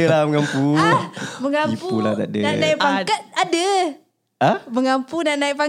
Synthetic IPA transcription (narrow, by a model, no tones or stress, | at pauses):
əlaməŋampu | məŋamipuula̰t̪a̰ʔdəanajpaŋkat̪̚adə | əməŋampunanaipa